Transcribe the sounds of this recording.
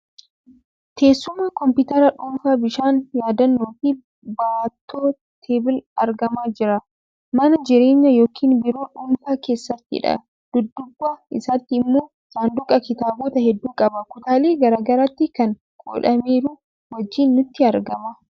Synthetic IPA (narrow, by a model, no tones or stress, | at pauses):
t̪ʰe̞ːsːʊmaːkɔmpɪt̪ɐɾɐᶑʊnfaːbɪʃaːnjaːd̪ɐnːoːfi | baːt̪ːoː | t̪ʰeːbɪlɐɾɡɐmaːd͡ʒɪɾɐ | mɐnɐd͡ʒɪɾe̞ːɲːɐjo̞ːkʰiːnbɪɾo̞ːᶑʊnfaːke̞ːsːɐt̪ːɪ̰ᶑɐ̰ | d̪̥ʊd̪ːʊbːaːɪsaːt̪ːɪɪmːoːɪsaːnd̪ʊkʼɐkɪt̪aːboːt̪ɐhɛd̪ːuːkʼɐbɐkʊt̪aːleːɡɐɾaːɡɐɾaːt̪ːɪkɐn | kʼo̰ᶑɐmeːɾu | wɐd͡ʒːiːnːʊt̪ːɪɐɾɡɐmɐ